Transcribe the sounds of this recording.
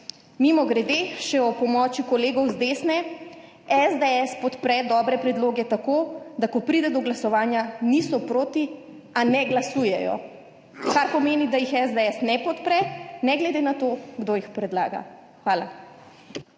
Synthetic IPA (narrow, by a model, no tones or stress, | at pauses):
mimɔɡɾɛd̪eʃɛɔpɔmɔt͡ʃikɔleːɡɔwzd̪eːsnɛ | ɛzd̪ɛɛspɔt̪pɾɛd̪ɔːbɾɛpɾɛd̪loːɡɛt̪akoːd̪akɔpɾiːd̪ɛd̪ɔɡlasɔʋaːnjanisɔpɾoːt̪i | anɛɡlasuːjɛjɔ̰ | kaɾpɔmeːnid̪ajixɛzd̪ɛɛsnɛpɔt̪pɾɛnɛɡlɛd̪eːnat̪oɡd̪oːjixpɾɛd̪la̰ːɡa̰ | xʋaːla̰